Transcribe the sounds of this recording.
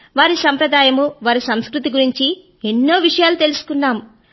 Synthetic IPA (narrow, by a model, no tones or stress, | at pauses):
ʋaːɾisɐmpɾɐd̪aːjɐmuʋaːɾisɐmskɾut̪iɡuɾiɲt͡ʃi | enːoːʋiʂɐjaːlut̪e̞lusu̥kunːaːmu